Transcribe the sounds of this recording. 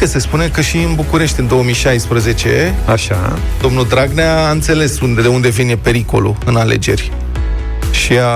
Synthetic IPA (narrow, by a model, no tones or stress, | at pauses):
əse̞spunekəʃiɨnbukuɾe̞ʃt̪ʲɨnd̪o̞omijʃajspɾəze̞t͡ʃe̞aʃa̰ | d̪o̞mnud̪ɾaɡneaːɨnt̪se̞le̞sund̪ed̪eund̪e̞vinepe̞ɾiko̞̰lṵɨnale̞̰d͡ʒe̞̰rʲ | ʃia